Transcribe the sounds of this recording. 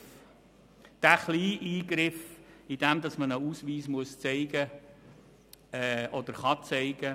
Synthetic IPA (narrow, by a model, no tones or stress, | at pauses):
d̥æχliːʔiːɡɾɪfid̥̪ɛmd̪ɑsmənəusʋiːsmuəst͡sɛɪɡə | ɛʔɔd̪əɾχɑt͡sɛɪɡ̥ə